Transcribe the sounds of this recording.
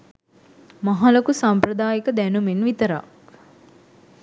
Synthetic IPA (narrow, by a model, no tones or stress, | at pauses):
maɦalokusampɾɐd̪aːjikəd̪ænumenʋit̪əɾa̰k